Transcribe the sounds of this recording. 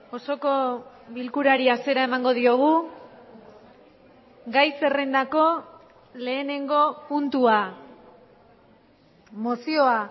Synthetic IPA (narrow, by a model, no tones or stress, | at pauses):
o̞so̞ko̞ | βilkuɾaɾiase̞ɾae̞maŋɡo̞ð̞io̞ɣ̞u | ɡajse̞re̞nd̪ako̞ | le̞ːne̞ŋɡo̞punt̪ua | mosio̞a